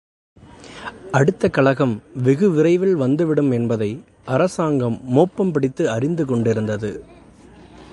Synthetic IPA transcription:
ɐɽɯt̪ːɐkɐɭɐɣɐmʋɪɣɯʋɪɾɐɪʋɪlʋɐnd̪ɯʋɪɽɯmɛnbɐðɐɪ | ʔɐɾɐsaːŋɡɐmːoːpːɐmpɪɽɪt̪ːɯɐrɪnd̪ɯkɔɳɖɪɾɯnd̪ɐðɯ

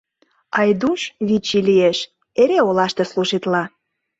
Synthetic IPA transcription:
ɑjd̪uʃβit͡ɕilieʃ | eɾeolɑʃt̪esluʒit̪lɑ

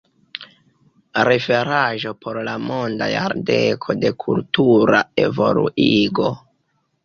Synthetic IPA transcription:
ɾefe̞ɾaʒo̞pʰo̞ɾlamo̞nda̰ja̰ɾde̞kʰo̞de̞kʰultuɾae̞vo̞̰lṵʔiɡo̞

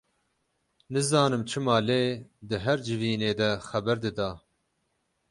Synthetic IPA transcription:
nɨzɑːnɨmt͡ʃʰɨmɑːleːd̪ɨɦɛɾd͡ʒɨviːneːd̪ɛxɛbɛɾd̪ɨd̪ɑː

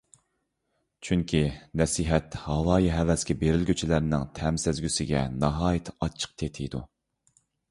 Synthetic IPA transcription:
t͡ʃʰyŋkʲʰinɛsiɦɛt̪hɑlˠɑːjiɦɛvɛskʲɛbeɾɪlɡʲyt͡ʃʰilæɾnɪŋt̪ʰɛmsɪzɡʲysɪɡʲɛ̰nɑɦɑːjɪt̪ʰɑt͡ʃʰːə̥q̚t̪ʰet̪ʰɪd̪u

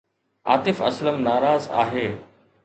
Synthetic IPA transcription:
a̰ːt̪ɪfɐ̰sləmnaːɾaːza̰ːɦeː

